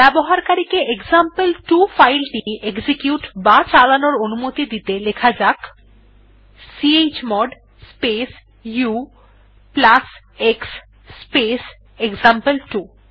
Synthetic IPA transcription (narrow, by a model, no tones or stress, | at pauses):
bɛboɦaɾkaɾikeʔekzampelʈufajlʈieksikjuʈbat͡ɕalanoɾonumot̪id̪it̪elekʰad͡ʑak | siet͡ɕmɔɖ | spes | ju | plas | eksː | pes | ekzampelʈu